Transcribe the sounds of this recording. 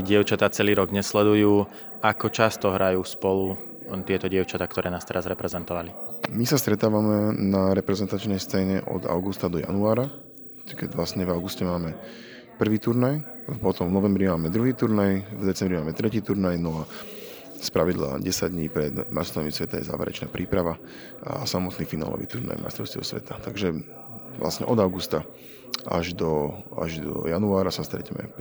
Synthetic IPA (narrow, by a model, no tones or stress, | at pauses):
ɟɪɛʊt͡ʃat̪aːt͡sɛliːɾɔɡɲɛslɛd̪ujuː | akɔt͡ʃast̪ɔɦɾajuːspɔlu | t̪ɪɛt̪ɔɟɪɛʊt͡ʃat̪aːkt̪ɔɾɛːnaːst̪ɛɾazɾɛpɾɛzɛnt̪ɔʋalimisast̪ɾɛt̪aːʋamɛnaɾɛpɾɛzɛnt̪at͡ʃnɛjst͡sɛːɲɛʔɔ̰d̪a̰ʊɡust̪ad̪ɔja̰nuaːɾa | kɛɟʋlasɲɛvaʊɡuscɛmaːmɛ | pr̩ʋiːt̪uɾnaj | pɔt̪ɔmvnɔʋɛmbɾimaːmɛd̪ɾuɦiːt̪uɾnajvd̪ɛt͡sɛmbɾimaːmɛt̪ɾɛciːt̪uɾnajnɔa | spɾaʋid̪la̰ːɟɛsaɟd̪ɲiːpɾɛd̪mast̪amisʋɛt̪ajɛ̰za̰ːʋɛ̰ɾɛ̰t͡ʃna̰ːpɾʔiːpɾaʋa | a̰samɔt̪niːfina̰ːlɔ̰ʋḭːt̪uɾna̰jma̰jst̪ɾɔʊst̪ɛ̰ʊsʋɛ̰t̪ʰat̪aɡʒɛ | ʋla̰sɲɛ̰ʔɔd̪aʊɡust̪a | a̰ʒd̪ɔa̰ʒd̪ɔ̰januaːɾasast̪ɾɛ̰cɛmɛ̰